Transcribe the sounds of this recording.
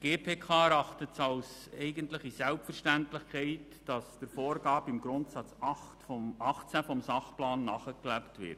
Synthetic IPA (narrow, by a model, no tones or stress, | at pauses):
ɡ̥eːpʰeːkʰɑːɛɾɑχtətsɑlsɛɪɡəntləχisɛlpfərʃtæntlɪχkʰɛɪt | d̥ɑsd̥əɾfoːɾɡɑːbəɪmɡɾʊntsɑt͡sɑχtfɔmɑχt͡sæfɔmsɑχplɑːnːɑχəklæptʋɪ̰ɾt